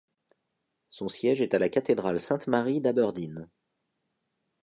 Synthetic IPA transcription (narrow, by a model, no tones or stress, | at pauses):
sɔ̃sjɛʒɛt̪alakat̪ed̪ʁalsɛ̃t̪maʁid̪abœʁd̪in